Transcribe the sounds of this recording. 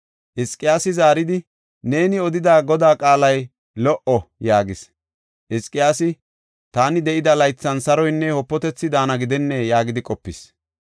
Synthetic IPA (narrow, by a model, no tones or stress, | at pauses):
ʔɪskʼɪjaːsɪzaːɾɪd̪ɪ | ne̞ːnɪɔd̪ɪd̪aːɡɔd̪aːkʼaːlɐj | lɔʔɔjaːɡɪs | ʔɪskʼːɪjaːsɪ | t̪aːnɪd̪ɛʔɪd̪ɐlɐjt͡sːɐnsɐɾɔjnːɛhɔpːɔt̪ɛt͡sːɪd̪aːnɐɡɪd̪ɛnːɛjaːɡɪd̪ɪkʼɔpːɪs